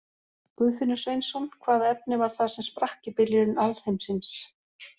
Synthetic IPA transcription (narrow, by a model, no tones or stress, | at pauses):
kʏːfɪnːʏsveɥjnsɔnkʰvaːðaɛp̚nɪvaɾ̥θaðsɛmspɾahcɪpɪljɪɾɪnalhejmsins